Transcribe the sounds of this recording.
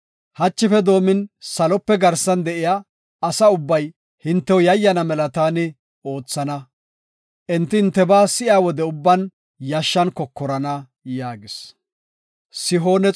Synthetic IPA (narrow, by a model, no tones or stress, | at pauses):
hɐt͡ʃːɪfɛd̪o̞ːmɪnsɐlɔpːɛɡɐɾsɐnd̪ɛʔɪjaː | sɐʊbːɐj | hɪnt̪ːɛwjɐjːɐnɐmɛlɐt̪aːnɪ | o̞ːt͡sːɐnɐ | ʔɪnt̪ːɪɪnt̪ːɛbaːsɪʔaːwɔd̪ɛʊbːɐn | jɐʃːɐnkɔkːɔɾɐnɐ | jaːɡɪs | sɪɦo̞ːnɛ